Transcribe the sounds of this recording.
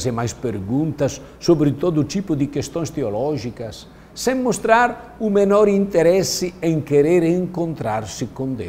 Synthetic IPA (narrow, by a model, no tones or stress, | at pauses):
semajspeɾɡunt̪asː | obɾit̪ɔd̪ut̪ipud̪ikest̪oɲst̪eolɔʒikasː | ɛmːost̪ɾaɾumenɔɾint̪eɾɛsiɛŋkeɾeɾeŋkont̪ɾaɾsikond̪ḛ